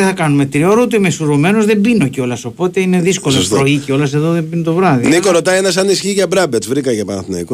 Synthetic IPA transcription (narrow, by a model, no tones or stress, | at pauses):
eθɐkɐnume̞t̪ɾioɾut̪uimesuɾome̞nozðe̞mbino̞ceo̞lɐso̞po̞t̪e̞ine̞ðisko̞lɐsɾoiceo̞lɐse̞ðoðembinut̪o̞vɾɐðinikoɾot̪ɐienɐs̬ɐnisçiʝɐbɾɐbevɾikɐʝɐpɐnɐθnɐiko